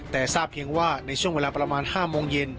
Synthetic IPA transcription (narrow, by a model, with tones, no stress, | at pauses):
t̪ɛː˨˩saː˥˩p̚pʰi˧əŋwaː˥˩na˧jt͡ɕʰu˥˩əŋweː˧laː˧pɾa˧maː˧nhaː˥˩moː˧ŋje˧n